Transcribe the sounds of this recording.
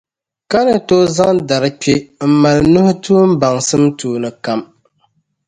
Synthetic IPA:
ka˦nɨ˨to˦za˦ŋda˨ɾɨ˦k͡pe˦m̩˦ma˨lnu˦hʊ˦tuː˦m̩˦ba˨ŋsɨ˦mtuː˨˦nɨ˨ka˦m

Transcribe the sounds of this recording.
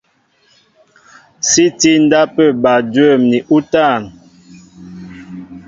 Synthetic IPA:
si˦ti˦n˦da˦pə˦˨ba˨də˦˨mni˨ʔu˦ta˦˨n

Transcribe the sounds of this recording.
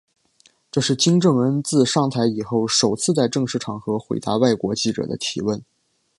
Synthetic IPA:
ʈ͡ʂɤ˥˧ʂɻ̩˥˩t͡ɕi˥ŋʈ͡ʂɤ˥˩ŋwə˧˥nt͡sɹ̩˥˧ʂɑ˥˩ŋt̪ʰa˧˥ɪi˨˩xo˥˩ʊʂo˨˩ʊt͡sʰɹ̩˥˧t͡sa˥˧ɪʈ͡ʂɤ˥˧ŋʂɻ̩˥˩ʈ͡ʂʰɑ˨˩ŋxɤ˧˥xwe˧˥ɪt̪a˧˥wa˥˩ɪkwɔ˧˥t͡ɕi˥˩ʈ͡ʂɤ̰˨˩d̪ə̰˦t̪ʰḭ˧˥wə˥˩n

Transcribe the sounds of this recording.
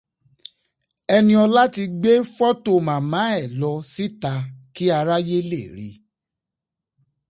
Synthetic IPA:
ɛ˧nĩ˧ɔ˧la˦ti˧ɡ͡be˦fɔ˦to˦˨mã˨mã˨˦ɛ˦˨lɔ˧si˦ta˧ki˦a˧ɾa˦je˦le˦˨ɾḭ˨˦

